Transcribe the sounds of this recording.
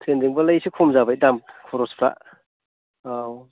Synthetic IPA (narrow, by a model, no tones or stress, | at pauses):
tʰendiŋbɐlajsikʰomzabajdamkʰɔɾɔspʰɾa̰ʔ | aw